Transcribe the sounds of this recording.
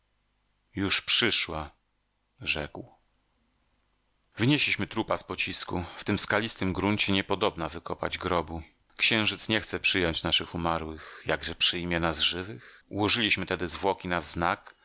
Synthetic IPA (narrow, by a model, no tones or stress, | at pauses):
juʂpʂɘʂwa | ʐɛkw | vɘɲeɕlʲiɕmɘt̪ɾupaspɔt͡ɕiskuft̪ɘmskalʲist̪ɘmɡɾuɲt͡ɕɛɲɛpɔd̪ɔbnavɘkɔpa̰d͡ʑɡɾɔbu | kɕɛ̃w̃ʐɘt̪sɲɛxt̪sɛpʂɘjɔɲt͡ɕnaʂɘxumaɾwɘxjaɡʐɛpʂɘjmʲjɛnazʐɘvɘxṵwɔʐɘlʲiɕmɘt̪ɛd̪ɘzvwɔkʲinavznak